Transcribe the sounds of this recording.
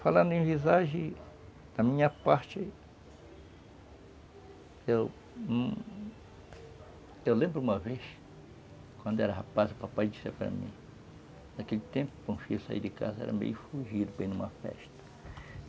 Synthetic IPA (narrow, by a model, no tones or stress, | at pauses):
falãnd̪ʊẽvizaʒẽ | d̪̥ɐmĩɲɐpaɾt͡ʃɪ | ew | ewlẽmbɾʊumɐves | kwãnd̪ʊɛɾɐɦapazupapajd͡ʒisḛɾpaɾa̰mḭ̃ | d̪akelʊt̪ẽmpʊpõfisa̰ḭɾd̪ɪka̰zɐɛ̰ɾɐ̰mḛjʊfuʒid̪ʊbẽj̃nũmɐfɛ̰st̪ɐ̥